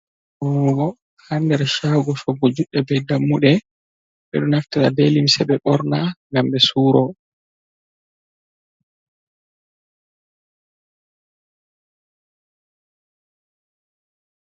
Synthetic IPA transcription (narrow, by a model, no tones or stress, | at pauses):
ʔɔɡɔ | handɛɾʃaɡɔsɔbɔd͡ʒuɗːɛbɛjdamːuɗɛ | ɓɛ̰ɗɔnaftaladelimsɛɓɛɓɔɾnaŋɡambɛsuːɾɔ